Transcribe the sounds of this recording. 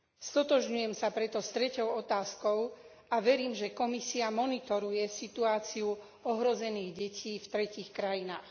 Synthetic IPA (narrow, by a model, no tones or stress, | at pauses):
st̪ɔt̪ɔʒɲujɛmsapɾɛt̪ɔst̪ɾɛcɔʊɔt̪aːskɔʊ | ʔaʋɛɾiːmʒɛkɔmisiamɔnit̪ɔɾujɛsit̪uaːt͡siu | ɔɦɾɔzɛniːɣɟɛcʰiːft̪ɾɛciːxkɾajinaːx